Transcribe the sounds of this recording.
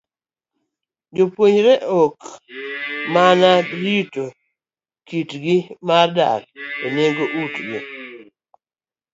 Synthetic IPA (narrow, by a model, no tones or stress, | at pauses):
d͡ʒopwoɲɾeʔok | manaɾito | kitɡɪmarda̰keneŋɡoʔutɡḛ